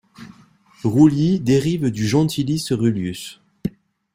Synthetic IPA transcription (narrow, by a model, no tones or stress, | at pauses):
ʁulid̪eʁivd̪yʒɑ̃t̪ʰilisʁyljys